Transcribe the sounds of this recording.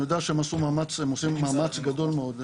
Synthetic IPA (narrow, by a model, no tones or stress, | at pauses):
jod̪eaʃeemasumaːmat͡semosimːamat͡sɡado̞lmeo̞d